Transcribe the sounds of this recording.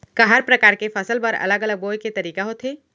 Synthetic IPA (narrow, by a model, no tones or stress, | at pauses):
kaɦaɾpɾəkaːɾkefʰɐsəlpɐɾɐ̰ləɡələɡ̚boːjket̪ɐɾiːkaɦoːt̪ɦeː